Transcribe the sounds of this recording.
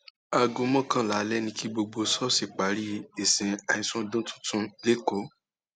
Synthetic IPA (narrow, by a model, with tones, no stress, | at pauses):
a˧ɡõ˧mɔ̃˦kã˦˨la˨˦lɛ˦nĩ˧ki˦ɡ͡bo˧ɡ͡bo˧sɔ˦si˨k͡pa˨˦ɾi˦e˨sĩ˨a˧ĩ˧sũ˦dũ˦tũ̥˦tũ˦le˦ko˨˦